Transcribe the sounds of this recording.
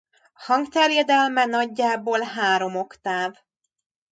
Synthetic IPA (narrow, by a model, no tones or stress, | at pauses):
hɒŋɡt̪ɛrjɛd̪ɛlmɛnɒɟːaːboːlɦaːɾo̞mo̞kt̪aːv